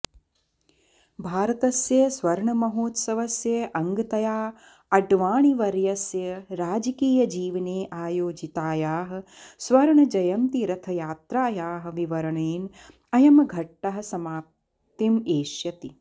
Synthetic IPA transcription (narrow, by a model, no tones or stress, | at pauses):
bʱaːɾɐt̪ɐsjɐsʋɐɾɳɐmɐɦoːt̪sɐʋɐsjɐʔɐŋɡɐt̪ɐjaː | ɐɖʋaːɳiʋɐɾjɐsjɐɾaːd͡ʒɐkiːjɐd͡ʒiːʋɐneːʔaːjoːd͡ʒit̪aːjaːɦɐ̆sʋɐɾɳɐd͡ʒɐjɐmt̪iɾɐt̪ʰɐjaːt̪ɾaːjaːɦɐ̆ʋiʋɐɾɐɳeːn | ɐjɐmɐɡʱɐʈːɐɦɐ̆sɐmaːp̚ | t̪imeːʃjɐt̪i